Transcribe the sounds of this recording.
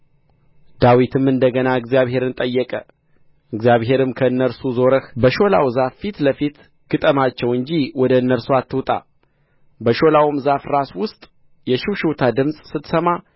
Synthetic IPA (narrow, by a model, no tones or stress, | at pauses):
d̪awit̪ʰɨmɨnd̪əɡənaɨɡzijaβɦe̞ɾɨnt̪ʼəjːɛkʼə | ɨɡzjaβɦe̞ɾɨmkʰəɨnːəɾsuzo̞ɾəxbəʃo̞la̰wzafːit̪ləfit̪ | ɡ̥ɨt̪ʼəmat͡ʃːɛwɨɲd͡ʒiwɔd̪əɨnːəɾsuat̪ʰːɨwt̪ʼa̰ | bəʃo̞lawmzafɾaswʊst̪ʼ | jɛʃɪwʃuwt̪ʰad̪ɨmsʼsɨt̪səma